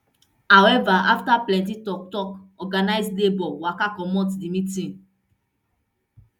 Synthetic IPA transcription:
hawɛvaaftaplɛ̃ntitɔktɔkɔɡanajslebɔwakakɔmɔ̃tdimitĩn

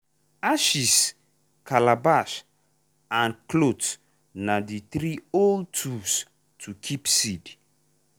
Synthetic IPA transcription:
aʃis | kalabas | ãnklots | nad̪it̪ɾioltʰus | tʰukʰipsidi̥

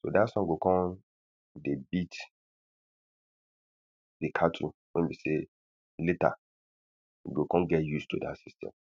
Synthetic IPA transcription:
so̰dasɔ̃ŋɡokɔ̃n | debit | dekʰatʰṵwɛ̰̃nbese | leta̰ | ɡokɔ̃nɡɛtjustudasistʰɛ̰̃m

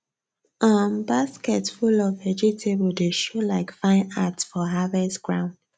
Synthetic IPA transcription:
ambaskɛtfulɔvɛd͡ʒitʰebl̩deʃolaɪkfãɪ̃natsfɔɦavɛstɡ̥ɹã̰ʊ̃nd̥

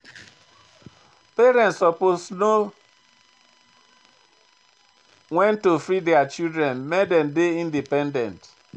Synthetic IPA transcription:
peɾɛ̃ntsɔposno | ŋɛ̃ntːofɾideat͡ʃildɾɛ̃nmɛdɛndeĩndipɛ̃ndɛ̃nt

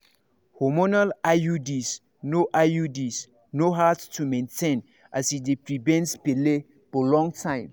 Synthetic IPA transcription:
hɔmɔnalajudis | noʔajudis | noɦattʰumẽntʰẽn | ʔasidepɹivɛ̃nspele | bɔlɔ̃ŋtʰãɪ̃m

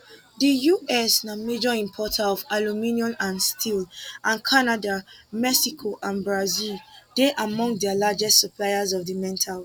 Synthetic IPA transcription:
dəjuʔɛsnamed͡ʒɔĩmpʰɔtʰaɔvalumĩniɔ̃nãnstʰilʔãnkʰanadamɛsikʰoʔãnbɹazild̥eʔamɔ̃ŋdialad͡ʒɛstsəpʰlajazɔvðəmɛ̃ntʰal

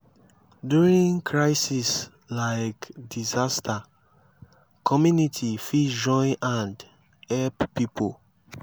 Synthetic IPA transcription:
djuɹĩŋkʰɹaɪsis | laɪkdizastʰa | kʰɔmjunitʰifid͡ʒɔ̃ɪ̃nʔãnd | hɛlppːipʰo

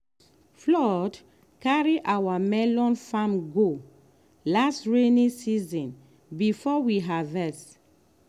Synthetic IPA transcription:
flɔd | kaɹiʔawamɛlɔ̃nfãmɡo | lastɹenĩsizɔ̃n | bifɔwiɦavɛs

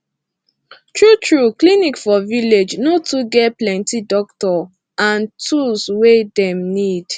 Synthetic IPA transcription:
tɹutɹuklinikfɔviled͡ʒnotuɡɛplɛ̃ntidɔktɔ | ãntʰuswedɛ̃mnid̥

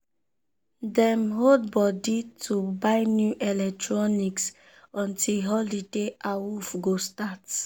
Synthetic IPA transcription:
dɛmɦod̚bɔditʰubaɪnjuʔɛlɛk̚tɹɔniks | ɔ̃ntʰilɦɔlideʔaufɡostat

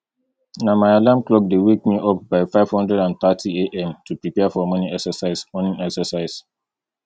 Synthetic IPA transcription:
namaɪalãmklɔk̚dewek̚miʔɔp̚baɪfaɪv̥hɔ̃ndɹɛdãnθatʰieʔɛ̃mtʰupɹipɛafɔmɔ̃niɛksəsaɪsmɔ̃nĩnɛksəsaɪs

